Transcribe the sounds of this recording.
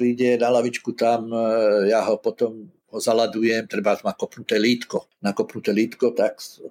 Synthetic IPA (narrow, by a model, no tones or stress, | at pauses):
ɾiɟɛnalaʋit͡ʃkut̪amjaɦɔpɔt̪ɔm | ɦɔzalad̪ujɛmt̪ɾɛbat̪makɔpnut̪ɛːliːt̪kɔnakɔpnut̪ɛːliːt̪kɔt̪ak